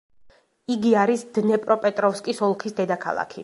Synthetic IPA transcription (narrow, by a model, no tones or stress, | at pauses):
iɡiaɾisd̪̥nɛpʼɾʔɔpʼɛt̪ʼɾɔfskʼisɔlˠkʰisd̪ɛd̪akʰa̰lˠa̰kʰi